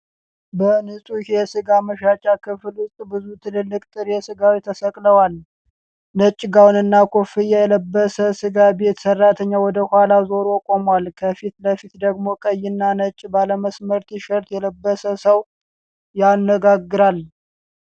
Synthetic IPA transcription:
bənɨsʼuhjɛsɨɡaməʃat͡ʃʼːakʰɨfɨlʊst̪ʼbɨzut̪ʰɨlɨlːɨkʼt̪ʼɨɾjɛsɨɡawit̪ʰəsəkʼləwal | nət͡ʃʼːɡawnɨnːakʰofɨjɛjləbːəsəsɨɡabe̞t̪sərːat̪ʰəɲːawɔd̪əhʊhalazo̞ɾokʼo̞mwalkʰəfit̪ləfit̪d̪əɡmo̞kʼəjːɪnːanət͡ʃʼːbaləməsməɾt̪iʃəɾt̪jɛləbːəsəsəw | janəɡaɡːɨɾal

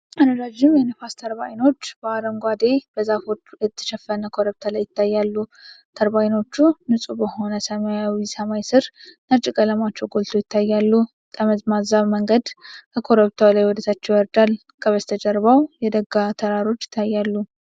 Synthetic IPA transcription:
ʔad̪əɾad͡ʒːɪmjɛnəfast̪ʰəɾba̰jno̞t͡ʃːb̥əaɾəŋɡʷad̪e̞b̥əzafod̪ɨt̪ʰːɨ̥ʃɛfənəkʰo̞ɾəβt̪ʰalajːɪt̪ʰːajːalːut̪ʰəɾbajno̞t͡ʃːunɨsʼubəho̞nəsəmajawisəmajsɨɾnəɾt͡ʃʼɪkʼələmat͡ʃːɛwɡolt̪ʰo̞jɪt̪ʰːajːalːu | t̪ʼəməzmazaβməŋɡəd̪kʰəkʰo̞ɾəβt̪ʰalajwɔd̪ət̪ʰat͡ʃːɛwəɾd̪al | kʰʼəβəst̪ʰəd͡ʒəɾβawjɛd̪əɡat̪ʰəɾaɾo̞t͡ʃːjɪ̥t̪ʰːajːalːu

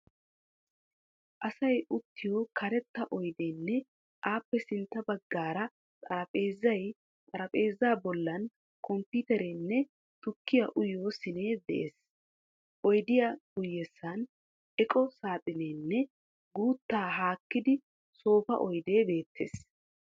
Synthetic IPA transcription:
ʔɐsɐjʊt̪ːɪjokʰɐɾɛt̪ːɐʔɔjd̪eːnːɛ | aːpːɛsɪnt̪ːɐbɐɡːaːɾɐ | t̪ʼɐɾɐpʼe̞ːzːɐj | t̪ʼɐɾɐpʼe̞ːzːaːbɔlːɐn | kɔmpiːt̪ɛɾenːɛ | t̪ʊkːɪjɐʔʊjoːsɪneːd̪ɛ̰ʔeːs | ʔɔjd̪ɪjaɡ̥ʊjːɛsːɐn | ɛkʼɔsaːt̪ʼɪneːnːɛ | ɡuːt̪ːaːɦaːkːɪd̪ɪ | so̞ːfɐ̰ʔɔjd̪e̞ːbe̞ːt̪ʰːḛːs

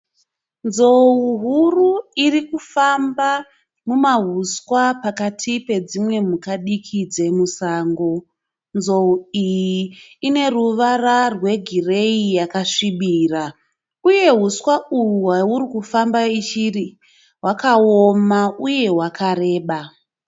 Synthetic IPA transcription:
nzo̞uɦuruirikufamba | mumaɦuskwapakatʰipe̞d͡zimwe̞mukaɗikʰid͡ze̞musaːŋɡo̞ | nzo̞uijiːne̞ruʋararwe̞ɡʱire̞ijakaʂiɓiːra | uje̞ɦuskwauwauɾikufambait͡ʃiri | ɦwakaomauje̞ɦwakʰaɾe̞ːɓa

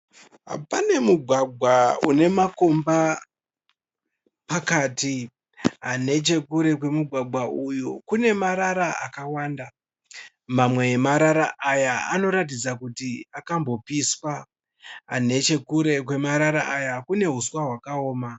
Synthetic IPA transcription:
ɦa̰pane̞muɡʱwaɡʱwaune̞mako̞mba | pakaːti | ane̞t͡ʃe̞kuɾe̞k̬we̞muɡʱwaɡʱwaujukune̞maɾaɾaa̰kawaːnda | mamwe̞emaɾaɾaʔajaano̞ɾat̬id͡zakutiakambo̞piswa | a̰ne̞t͡ʃe̞kuɾe̞kwe̞maɾaɾaʔajakune̞ɦuswaɦwakaoːma

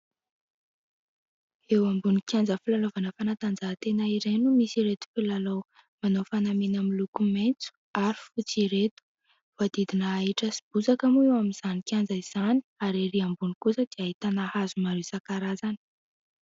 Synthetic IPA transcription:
ewambunikʲjand͡zəfilalovanəfanat̪and͡zaɦːt̪enaiɾenumisiɾet̪u̥filalow | manofanaminamilukumejnt͡su̥aɾi̥fut͡siɾet̪u̥ | v̥ad̪id̪inəːiʈ͡ʂəsib̥uzakamuewamiz̥anikʲjand͡zaiz̥ani̥aɾiɾiambunikusəd̪̥iaɦit̪anahazumaɾesakaɾazani̥

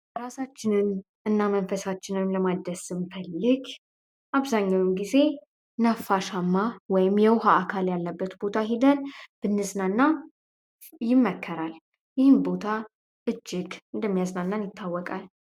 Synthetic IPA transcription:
ɾasat͡ʃːɪnɨn | ʔɨnːamənfəsat͡ʃːɪnwɔjɪmləmad̪əsɨmfəlːɨɡ | ʔaβzaɲːawmɡize̞ | nafːaʃamːawɔjɪmjɛwɦaːkʰaljalːəbːət̪bo̞t̪ʰaɦid̪ənb̥ɨnːɨznanːa | jɪmːəkʰːəɾal | jɪhɨmbo̞t̪ʰa | ʔɨd͡ʒːɪɡɨnd̪əmːijaznanːanjɪt̪ʰːawːɔkʼal

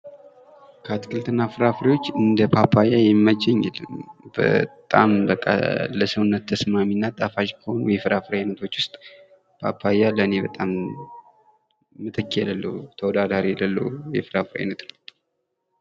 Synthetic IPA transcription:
kʰəat̪kʰɨlt̪ʰɨnːafɨɾafɨɾiwo̞t͡ʃːɨnd̪əpʰapʰːajajɛmːəd͡ʒɛɲːɛ̰lːə̰mbə̰t̪ʼa̰mbəkʼːa̰ləsəwnːət̪ʰːəsmaminːat̪ʼafaʃkʰəho̞nujɛfɨɾafɨɾaenət̪ʰo̞t͡ʃːwʊst̪ʼ | pʰa̰pʰːajaləne̞bət̪ʼam | mɨt̪ʰəkʰːjɛləlːə̰t̪ʰəwɔd̪ad̪aɾijɛlːəlːə̰wɛ̰fɨɾafɨɾa̰jnət̪nəw

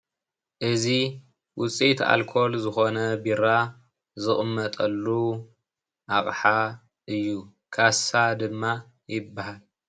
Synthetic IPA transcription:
ʔɨzi | wʔʊt͡sʼit̪a̰lkʰo̞lzɨxo̞nɐbiɾa | zɨχʼmːɐt̪ʼɐlːu | ʔaχʼħa | ʔɨjːu | kʰasad̪ɨmːa | jɪbːahal

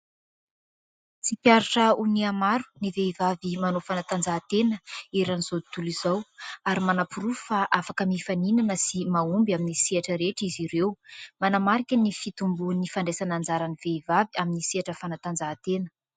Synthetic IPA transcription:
t͡sipʲjaɾaʈ͡ʂəuniamaɾu̥niveivavimanofanat̪and͡zaːt̪enəeɾaniz̥ot̪uliz̥awaɾimanapuɾufaʔafakəmifaninanəsimaumbaminisiaʈ͡ʂəɾeʈ͡ʂiziɾewmanamaɾikʲənifit̪umbunifaɳɖ͡ʐesanand͡zaɾaniveivaviaminisiaʈ͡ʂəfanat̪and͡zaːt̪enə̥

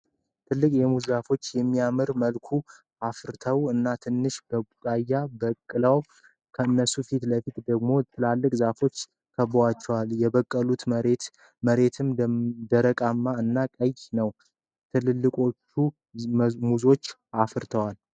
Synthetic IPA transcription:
t̪ʰɨlːɨkʼjɛmuzafo̞t͡ʃːjɛmːijamɨɾməlkʰu | afɨɾt̪ʰəwɨnːat̪ʰɨnːɨʃb̥əbukʼajːabəkʼːɨləw | kʰəɨnːəsufit̪ləfit̪d̪əɡmo̞t̪ʰɨlalːɨkʼzafo̞t͡ʃː | kʰəβwat͡ʃːɛwaljɛβəkʼːəlut̪ɾe | məɾe̞t̪ʰɨmd̪əɾəkʼamːaɨnːakʼəjnəw | t̪ʰɨlɨlːɨkʼo̞t͡ʃːu | muzo̞t͡ʃː | afɨɾt̪ʰəwal

